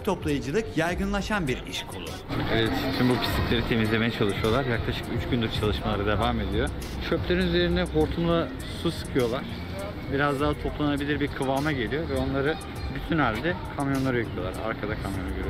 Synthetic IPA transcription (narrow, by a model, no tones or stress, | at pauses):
t̪ʰo̞plˠajɯd͡ʒɯlˠɯkjajɡɯnlˠaʃanbiɾiʃkʰolˠʊ̰evɛt̪tʰynbupʰi̥st̪ʰiclʲe̞ɾit̪ʰe̞mizlʲe̞mejɛt͡ʃʰalˠɯʃɯjo̞lˠaɾjaklˠaʃɯ̥kyt͡ʃɟynd̪yɾt͡ʃʰalˠɯʃmalˠaɾad̪e̞vaːme̞d̪ijo̞ | ʃøplʲe̞ɾinyze̞ɾind̪ɛɦo̞ɾt̪ʰumlˠa | susɯ̥kʰɯjo̞lˠaɾ̥ | biɾazd̪aːt̪ʰo̞plˠannabilʲiɾbiɾkʰɯvaːmaɟe̞lʲijo̞vɛo̞nlˠaɾɯ | byt̪ʰynælʲd̪ɛkʰamjo̞nlˠaɾajɯkʰɯjo̞lˠa̰ɾa̰ɾkʰad̪akʰamjo̞naɡøɾyjo